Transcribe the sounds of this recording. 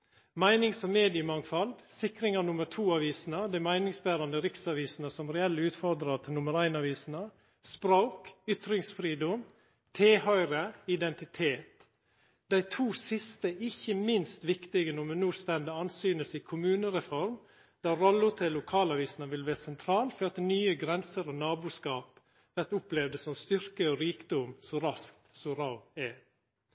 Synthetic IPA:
mæɪnɪŋsɔmmeːd̪ɪəmɑŋfɑld̪sɪkɾɪŋɑɾnʊməɾʈʰuːɑːʋiːsn̩əd̪æɪmæɪnɪŋsbæːɾɑnd̪əɾɪksɑʋiːsnəsɔmɾɛɛlːəʉːt̪fɔɾd̪ɾɑt̪ʰɪlʊməɾæɪnɑʋiːsnə | spɾoːkʏt̪ɾɪŋsfɾiːd̪ɔm | t̪ʰeːhœʏɾəɪd̪ɛnt̪ɪt̪ʰeːt̪ | d̪æɪt̪ʰuːsɪst̪əɪçːəmɪnst̪ʋɪkt̪ɪɡənɔmɛnuːst̪ɛnd̪əɑnsyːnəsɪkʰʊmʉːnəɾɛfɔɾm | d̪̥ɑːɾɔlːʊt̪ʰɛlːʊkʰɑːlɑʋiːsn̩ɑʋɪlʋæːɾsɛnt̪ʰɾɑːlfɔɾɑt̪nyːəɡɾɛnsəɾɔnɑːbuːskɑːp | ʋæʈ̪ʊplɛʋd̪əsɔmst̪ʏɾkəoɾiːkd̪ɔmsɔɾɑskt̪sɔɾɑʊɛ

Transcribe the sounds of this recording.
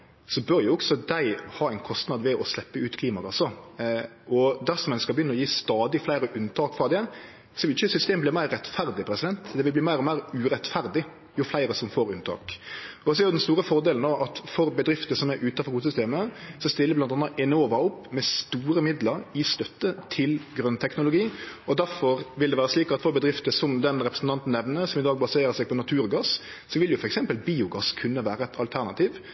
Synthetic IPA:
sɔbœɾjʊɔksɔd̪æɪhɑːæɪnkʰɔst̪nɑd̪ʋɛʔɔslɛpːəʉːt̪kʰliːmɑɡɑsːɔ | ʔɔd̪æɾsɔmɛnskɑlbəjʏnːəɔjiːst̪ɑːd̪ɪflæɪɾəʔʉnt̪ʰɑːkfɾɑd̪ɛ | sɔʋɪlɪçəsʏst̪eːməblɪmæɪɾːɛt̪fæɾd̪ɪpʰɾɛsɪd̪ɛnt̪d̪ɛʋɪlbliːmæɪɾɔmæɪɾʉːɾɛt̪fæɾd̪ɪ | jʊflæɪɾəsɔmfoːɾʉnt̪ʰɑ̰ːkɔsɔɛɾjʊd̪ɛnst̪uːɾəfɔɾd̪eːln̩oːʔɑt̪fɔɾbəd̪ɾɪft̪əsɔmæɾʔʉːt̪ɑfɔɾɡuːsʏst̪eːməsɔst̪ɪlːəblɑnɑnːəʔɛnoːʋɑʊpːmɛst̪uːɾəmɪd̪ləɾɪst̪œt̪ːət̪ʰɪlɡɾœnt̪ʰɛknʊlʊɡiːɔd̪æɾfɔɾʋɪld̪ɛʋæːɾəsliːkɑt̪fɔɾbəd̪ɾɪft̪əsɔmd̪ɛnɾɛpɾəsn̩t̪ɑnt̪n̩ːɛʋnəsɔmɪd̪ɑːɡbɑseːɾəsæɪpɔnɑt̪ʰʉːɾɡɑs | sɔʋɪljʊfɔɾɛksɛmpəlbiːʊɡɑskʰʉnːəʋæːɾəɛt̪ʰɑlt̪ʰæɾnɑt̪ʰiːʋ

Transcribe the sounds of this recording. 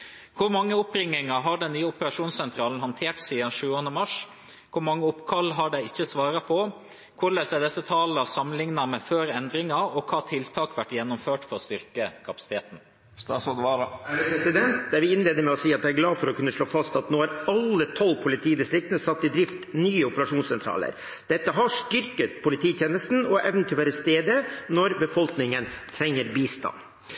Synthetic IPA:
kʰʊɾmɑŋːəʊpɾɪŋːɪŋɑɦɑɖɛnːyːəʊpəɾɑʂuːnssɛnt̪ʰɾɑːln̩hɑnt̪ʰeːʈsiːd̪ɑnʂʉːənəmɑʂ | kʰʊɾmɑŋːəʊpkʰɑlːɦɑɖɛɪɪçːəsʋɑːɾɑpʰɔ | kʰʊɾlɛsɛd̪ɛsːət̪ʰɑːlɑsɑmənlɪŋnɑmɛføːɾɛnd̪ɾɪŋɑɔkʰɑːt̪ʰɪlt̪ʰɑːkʋæʈːjɛnːɔmføːʈfɔɾst̪ʏɾkəkʰɑpɑsɪ̥t̪ʰeːt̪n̩ | st̪ɑːsɔd̪ʋɑɾpɾɛsɪd̪ɛnt̪d̪æɾʋɪɪnleːd̪əɾmɛɔsiːɑt̪̚d̪ɛæɾɡlɑːfɔɾɔkʰʉnːəʂɭoːfɑst̪ɑt̪noːhæɾɑlːət̪ʰɔlːpʰʊlɪt̪ʰiːd̪ɪst̪ɾɪk̚t̪ənəsɑt̪ːɪd̪ɾɪft̪nyːəʊpəɾɑʂuːnsɛnt̪ʰɾɑ̰ːlə̰ɾ | d̪̥ɛt̪ːəɦɑʂt̪ʏɾkət̪pʰʊlɪt̪ʰiːt̪ʰjeːnəst̪n̩ɔʔɛʋnət̪ʰɪɔʋæːɾəst̪eːd̪ənɔɾbəfɔlknɪŋənt̪ʰɾɛŋːəɾbiːst̪ɑ̰nː

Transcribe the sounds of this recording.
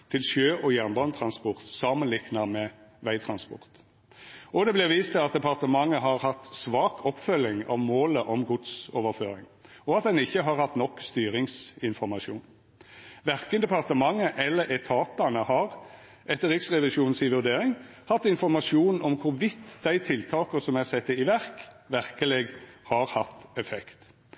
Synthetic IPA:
t̪ʰɪlʃjøːʔɔjænbɑnt̪ʰɾɑnspɔʁt̪sɑːmənlɪknɑmɛːʋæɪt̪ʰɾɑnspɔ̰ʁt̪ | ʔɔd̪ɛblɪʁʋiːst̪ʰɪlɑt̪̚d̪ɛpɑʁt̪əmɑŋːəɦɑʁhɑt̪sʋɑːkʰɔpːfœlɪŋɑ̰ʋmoːləʔɔmɡʊd̪soːʋəʁføːɾɪ̰ŋ | ɔɑt̪̚d̪ɛnɪçːəɦɑʁhɑt̪nɔkːst̪yːɾɪŋsɪnfɔʁmɑʃuːn | ʋæʁkənd̪ɛpɑʁt̪əmɑŋːəʔɛlːəɾɛt̪ʰɑːt̪ɑnəhɑɾ | ʔɛt̪ːəɾɪksʁɛʋɪʃuːnsɪʋʉʁd̪eːɾɪŋ | hɑt̪ːɪnfɔɾmɑʃuːnɔmkʰʊɾʋɪt̪ːd̪æɪt̪ʰɪlt̪ʰɑːkəsɔmæʁsɛt̪ːəɪʋæʁkʋæʁkəleːɡhɑɾhɑt̪ːɛfɛkt̪

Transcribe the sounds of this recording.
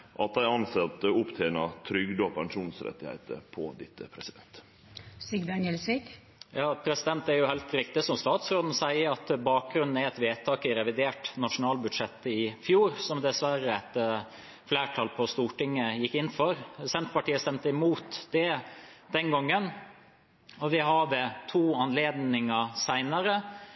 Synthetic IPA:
ʔɑt̪̚d̪æɪɑnsɛt̪əʊpt̪ʰeːnɑt̪ʰɾʏɡd̪əpʰɛŋʂuːnsɾɛ̰t̪ːɪhḛɪt̪ə̰pʰɔ̰d̪ɪt̪ːəpʰɾɛsɪd̪ɛnt̪ | siɡd̪ænɛlsɪɡ | jɑːpʰɾɛsɪd̪ɛnt̪æɾjʊhæɪlt̪ɾɪkt̪ɪsɔmst̪ɑːt̪sɾoːd̪n̩sæɪəɾɑt̪bɑːk̚ɡɾʉnn̩æɾɛt̪ʋeːt̪ʰɑːkɪɾɛʋɪd̪eːʈnɑʂʊnɑːlbʉd̪ʂɛt̪ːəɪfjuːɾsɔmd̪ɛsʋæɾəɛt̪ | flæːʈʰɑːlpʰɔst̪uːʈɪŋːəjɪkːɪnːfɔɾsɛnt̪pɑʈiːəst̪ɛmt̪əɪmuːt̪d̪ɛ | d̪̥ɛŋɡɔŋːən | ɔʋɪɦɑd̪ət̪ʰuːɑnleːd̪nɪŋɑsæɪnəɾə

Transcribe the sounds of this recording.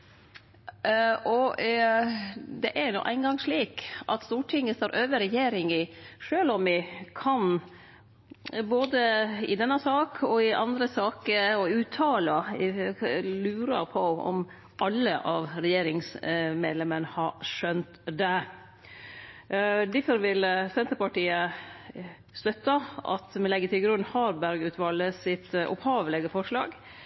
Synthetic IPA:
ɔ | d̪ɛʔæɾnṵːʔæ̰ɪnɡɑŋʂɭiːkʔɑ̰t̪st̪uːʈʰɪŋːəst̪oːɾʔøːʋəɾɛjeːɾɪŋɪʂøːlɔmɪkʰɑn | boːd̪əɪd̪ɛnːɑsɑːkʰɔɪʔɑnd̪ɾəsɑːkəɔʉːt̪ʰɑːlɑ | lʉːɾɑpʰɔɔ̰m | ʔɑlːəʔɑʋɾɛjeːɾɪŋsmeːd̪lɛmənhɑʂœnt̪d̪ɛ | d̪ɪfəɾʋɪlsɛnt̪əɾpɑʈiːə | st̪œt̪ːɑɑ̰t̪mɛnɛɡːət̪ɪlɡɾʉnːhɑːɾbæɾɡʉːt̪ʋɑːlːəsɪt̪ʔɔ̰phɑːʋəlɛɡəfɔʂɭɑ̰ːɡ

